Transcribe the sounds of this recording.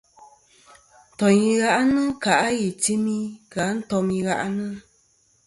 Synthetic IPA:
n̩˨tɔ˨ɲi˧ɣa˦ʔa˦nɨ˦ka˨ʔa˦ji˨ti˦mi˦ka˨˦n̩˦tɔ˨˧mi˧ɣa˦ʔnɨ˦

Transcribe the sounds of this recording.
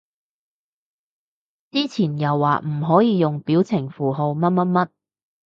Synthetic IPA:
t͡siː˥t͡sʰiː˨˩njɐ˨˩wːa̰ː˨˩m̩˨˩ɦɔː˨˥jiː˨˧jʊ˨˩ŋpiː˨˥wt͡sʰɪ˨˩ŋfuː˨˩ɦo˧wmɐ˥t̚mɐ˥t̚mɐ˥t̚

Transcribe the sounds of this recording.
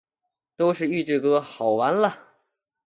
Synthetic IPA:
t̪o˥ʊʂɻ̩˥˧y˥˧ʈ͡ʂɻ̩˥˩kɤ˥xɑ˨˩ʊwa˧˥nlə˨

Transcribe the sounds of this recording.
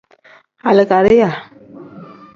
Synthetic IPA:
a˨lə˨ka˨ɾi˦ja˨

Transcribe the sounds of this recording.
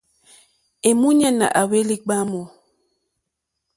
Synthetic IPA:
e˨mu˦ɲa˦na̰˨ʔa˨we˦li˦ɡ͡ba˦mɔ˨

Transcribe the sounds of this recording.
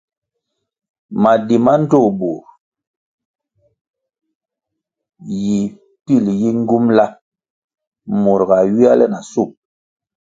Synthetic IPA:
ma˨di˨ma˦n̩˦to˦˨bu˨ɾ | ji˨ | pi˦˨lji˦ŋ̩˦ɡu˦mla˦ | mu˨ɾɡa˨ɥi˦a˦lɛ˦na˨su˦˨m̚

